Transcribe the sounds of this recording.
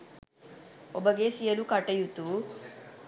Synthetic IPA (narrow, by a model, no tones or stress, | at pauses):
ɔbɐɡesijɐlukɐʈːɐjut̪ːu